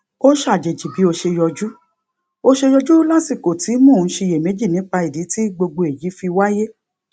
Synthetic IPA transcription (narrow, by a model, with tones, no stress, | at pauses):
o˦ʃa˦˨d͡ʒe˨d͡ʒi˨bi˨˦o˧ʃe˧jɔ˧d͡ʒu˦ | o˧ʃe˧jɔ˧d͡ʒu˦la˦si˦˨ko˨ti˨˦mũ˦˨n̩˦ʃe˧je˨me˨˦d͡ʒi˦˨nĩ˨˦k͡pa˧i˨di˨˦ti˦ɡ͡bo˧ɡ͡bo˧e˨ji˨˦fi˧wa˦je˦